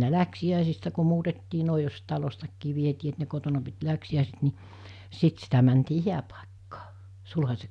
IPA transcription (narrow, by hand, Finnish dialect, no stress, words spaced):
ne læksiæˑisistæ ku muːtetːiː noˑi jos tɑlostɑkːiː ʋietiː et ne kotonɑ pit læksiæˑiset ni sit sitæ mæntiː hiæpɑˑekːɑː sulhɑsʲe